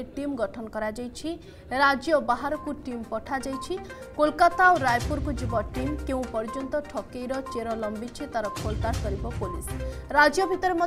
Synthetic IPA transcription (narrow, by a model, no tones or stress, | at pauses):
eʈimɡɔʈʰɔnɔkɔɾad͡ʒajt͡ʃʰi | ɾad͡ʒjɔbaɦaɾɔkuʈimpɔʈʰad͡ʒajt͡ʃʰi | kolkat̪aoɾajpuɾkud͡ʒibɔʈimkeũpɔɾd͡ʒɔnt̪ɔʈʰɔkejɾɔt͡ʃeɾɔlɔmbit͡ʃʰit̪aɾɔkʰolkaɾkɔɾibɔpulisɾad͡ʒjɔbʱit̪ɔɾemɔ